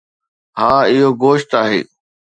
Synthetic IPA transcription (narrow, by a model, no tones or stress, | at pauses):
ɦaːɪɦoɡoːʃt̪aːɦḛː